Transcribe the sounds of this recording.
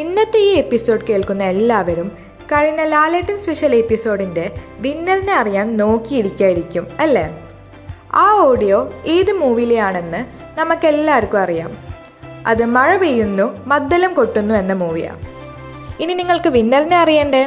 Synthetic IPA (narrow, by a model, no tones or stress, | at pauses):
inːɐt̪ːeiepːiso̞ːɖɨke̞ːɭkunːɐe̞lːaːʋɐɾum | kɐɻiɲːɐlaːleːʈːinspe̞ʂɐlepːiso̞ːɽinde̞ʋinːɐɾɐneɐrijaːnno̞ːkːijiɽikʲːaːjiɾikʲːumɐlːḛ | aːo̞ːɽijo̞ːeːðɨmuːʋijlejaːɳe̞nːɨ | nɐmɐkːe̞lːaːɐɾkːuɐrija̰ːm | ɐ̰ðɨmɐɻɐʋejːunːumɐd̪ːɐlɐmko̞ʈːunːue̞nːɐmuːʋḭja̰ː | ininiŋːɐɭkɨʋinːɐɾineɐrijeːɳɖe